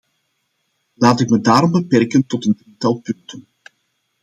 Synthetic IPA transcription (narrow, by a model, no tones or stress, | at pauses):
laːtɪkmədaːɾɔmbəpɛrkəntɔtəndritɑlˠpɵntən